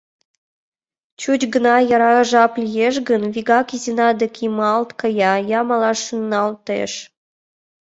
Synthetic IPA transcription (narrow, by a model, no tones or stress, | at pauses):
t͡ɕut͡ɕɡə̆nɑjɑɾɑʒɑplʲijeʃ̬ɡənviɡɑkizinɑd̪ĕkʰimɑlt̪kɤjɑjɑmɑlɑʃunːɑlt̪ḛʃ